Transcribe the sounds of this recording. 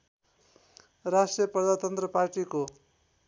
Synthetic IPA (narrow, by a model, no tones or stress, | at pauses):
rasʈrijʌprʌd̪at̪ʌnt̪rʌparʈiko